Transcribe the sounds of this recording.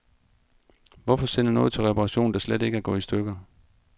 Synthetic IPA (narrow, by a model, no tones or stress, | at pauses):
ʋɒfɒ̽sen̰unɔ̽ːðˠt͡sʰe̝lʁɛpʰɑʁɑ̈ɕo̝̰ːnd̥ɑ̈slede̝ɡ̥æɡ̥ɔ̰̽ːisd̥øɡ̥ɐ